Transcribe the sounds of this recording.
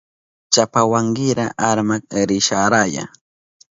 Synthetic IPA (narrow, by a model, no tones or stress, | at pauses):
t͡ʃapawaŋɢɪɾaʔaɾmak̚ɾɪʃaɾaja̰